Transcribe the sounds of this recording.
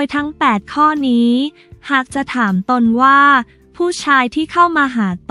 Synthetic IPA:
oː˧jt̪ʰa˦˥ŋpɛː˨˩t̪̚kʰɔː˥˩niː˦˥ | haː˨˩k̚t͡ɕa˨˩t̪ʰaː˩˦mt̪o˧nwaː˥˩ | pʰuː˥˩t͡ɕʰaː˧jt̪ʰiː˥˩kʰa˥˩wmaː˧ɦaː˩˦t̪

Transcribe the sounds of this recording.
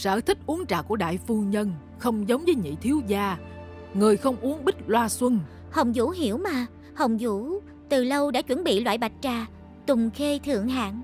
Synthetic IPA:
sə̰ː˧˩t̪ʰï˦˥k̚ʔu˨˦əŋt͡ɕa̰ː˨ku˧˩əɗa̰ː˧˨jfu˧ɲə˧n | xə˧wŋ͡mzə˨˦wŋ͡mvəː˨˦jɲḭ˧˨t̪ʰi˨˦əwzaː˧ | ŋɨ˨˩əjxə˧wŋ͡mʔu˨˦əŋɓï˦˥k̚lwaː˧swə˧n | hə˨˩wŋ͡mzṵ˧˥ɦi˧˩əwmaː˨˩ | hə˨˩wŋ͡mzu˧˥ | t̪ɨ˨˩lə˧wɗa̰ː˧˥t͡ɕwə˧˥˩nɓḭ˧˨lwa̰ː˧˨jɓa˨˩jt̚t͡ɕaː˨˩ | t̪ʊ˨˩ŋ͡mxe˧t̪ʰɨ̰˧˨əŋɦa̰ː˧˨ŋ

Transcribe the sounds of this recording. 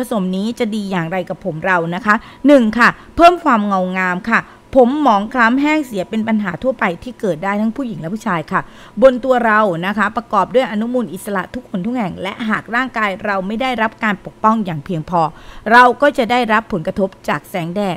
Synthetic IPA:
so˩˦mniː˦˥t͡ɕa˨˩diː˧jaː˨˩ŋɾa˧jka˨˩pʰːo˩˦mɾa˧wna˦˥kʰa˦˥ | nɯ˨˩ŋkʰa˥˩ | pʰɤː˥˩mkʰwaː˧mŋa˧˩wŋaː˧mkʰa˥˩ | pʰo˩˦mːɔː˨˦ŋkʰla˦˥mɦɛː˥˩ŋsi˨˩˦ɐpe˧npa˧nɦaː˩˦t̪ʰu˥˩ɐpa˧jt̪ʰiː˥˩kɤː˨˩t̪̚daː˥˩jt̪ʰa˦˥ŋpʰuː˥˩ji˨˩˦ŋlɛ˦˥pʰuː˥˩t͡ɕʰaː˧jkʰa˥˩ | bo˧nt̪u˧ɐɾa˧wna˦˥kʰa˦˥pɾa˧kɔː˨˩p̚du˥˩əjʔa˧nu˦˥muː˧nʔi˨˩t̪̚sa˧la̰˨˩ʔt̪ʰu˦˥kʰːo˧nt̪ʰu˦˥k̚hɛ˨˩ŋlɛ˦˥ʔɦaː˨˩k̚ɾaː˥˩ŋkaː˧jɾa˧wma˥˩jdaː˥˩jɾa˦˥p̚kaː˧npo˨˩k̚pɔ˥˩ŋjaː˨˩ŋpʰi˧əŋpʰɔː˧ɾa˧wkɔː˥˩t͡ɕa˨˩daː˥˩jɾa˦˥pʰːo˨˩˦nkɾa˧t̪ʰo˦˥p̚t͡ɕaː˨˩k̚sɛː˩˦ŋdɛː˥˩

